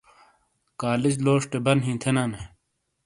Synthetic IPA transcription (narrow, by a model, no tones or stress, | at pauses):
kaːlid͡ʑloːʂʈebɐnɦĩːt̪ʰenaːne